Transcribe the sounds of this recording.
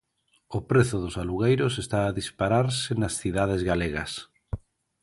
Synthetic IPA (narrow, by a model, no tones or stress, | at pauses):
ʊpɾeθʊðʊsaluɣejɾʊsest̪aːðispaɾaɾsɪnɐsθiðaðezɣaleɣɐs